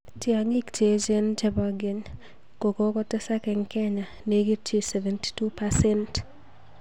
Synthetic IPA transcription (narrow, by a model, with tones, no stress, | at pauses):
ti˦a˨ŋi˦kte˨˦d͡ʒe˦nt͡ʃɛ˦ba˨ɡe˨ɲ | ko˨ko˦kɔ˦tɛ˦sa˦kɛ˨ŋkɛ˦ɲa˨ne˨ɡi˦t͡ʃe˦sɛ˨vɛ˨nti̥˦tu˦pasɛ˦nt